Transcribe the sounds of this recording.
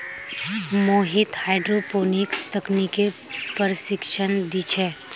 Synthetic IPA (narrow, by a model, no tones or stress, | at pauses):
moːɦɪt̪haːɪɖɾopoːnɪkst̪ɐknike | pəɾʃɪkʃənd̪it͡ʃʰɛː